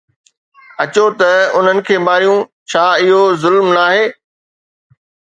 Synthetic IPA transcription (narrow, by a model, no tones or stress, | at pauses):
ɐt͡ɕot̪ɐʊn̤ənɪ̆kʰeːmaːɾijũt͡ɕʰaːɪɦozʊlmnaːɦeː